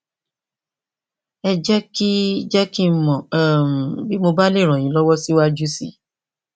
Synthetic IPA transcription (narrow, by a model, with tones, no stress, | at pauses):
ɛ˧d͡ʒɛ˦ki˦d͡ʒɛ˦ki˦mɔ̃˨m̩˨bi˦mo˧ba˦le˦˨ɾ̃ɔ̃˨j̃ĩ˨˦lɔ˦wɔ˦si˦wa˦d͡ʒu˦si˦˨